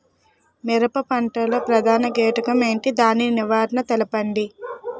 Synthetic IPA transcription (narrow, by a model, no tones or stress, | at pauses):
miɾɐpɐpɐɳʈɐloːpɾɐd̪ʱaːnɐɡeːʈɐkɐme̞ːɳʈid̪aːniniʋaːɾnɐt̪ɛlɐpɐɳɖi